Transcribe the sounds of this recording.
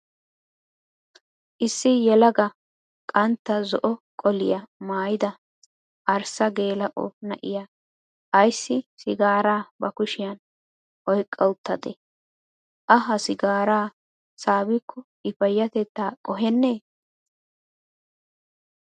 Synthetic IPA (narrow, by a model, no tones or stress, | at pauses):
ʔɪsːɪjɛlɐɡɐ | kʼɐnt̪ːɐzɔʔɔkʼɔlɪ̰jɐmaːjɪd̪ɐ | ʔɐɾsɐɡe̞ːlɐʔɔ̰nɐ̰ʔɪ̰ja | ʔɐjsːɪsɪɡaːɾaːbɐkʊʃɪjɐn | ʔɔjkʼːɐwʊt̪ːɐd̪ɛ̰ | ʔɐɦɐsɪɡaːɾaː | saːbɪkʰːɔ | ɪfɐjːɐt̪ɛt̪ːaːkʼɔɦɛnːeː